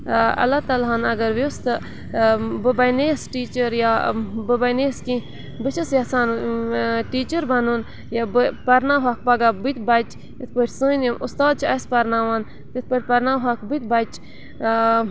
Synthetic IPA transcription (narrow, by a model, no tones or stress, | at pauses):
ɐ̰lat̪ɐlɦanɐɡɐɾʋost̪ɨ | bɨbɐjneːsʈiːt͡ʃəɾjabɨbɐjneːskĩ | bɨt͡ʃʰɐsjasaːn | ʈiːt͡ʃəɾbɐnun | jabɨpɐɾnaɦak̚pɐɡaːbɨt̪bɐt͡ʃ | it̪ʰpəʈʰʲsunmʔust̪aːd̪̚t͡ʃʰiɐspɐɾnaːʋaːn | t̪it̪̚ʰpəʈʰʲpɐɾnaːɦakbɨt̪̚bat͡ʃ